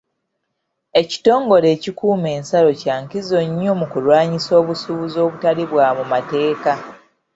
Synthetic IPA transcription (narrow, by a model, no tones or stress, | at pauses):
e̞ci̥to̞ːŋɡo̞ɾe̞ːcikuːme̞ːnsalo̞caːŋkizo̞ɲːo̞mukulwaːɲiso̞ːβusuβuzo̞ːβutaliβwaːmumate̞ːka